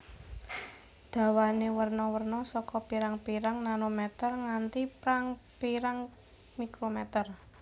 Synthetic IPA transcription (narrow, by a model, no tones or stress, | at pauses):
d̪̥ä̤wanewərnɔwərnɔsɔkɔpiɾaŋpiɾaŋnanomɛt̪ərŋant̪ipɾaŋpiɾaŋ | mikɾomɛt̪ər